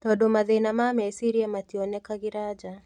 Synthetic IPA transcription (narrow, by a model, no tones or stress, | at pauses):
tɔɗɔmaðɛinamamɛsiɾiamatiɔnɛkaɣiɾad͡ʒa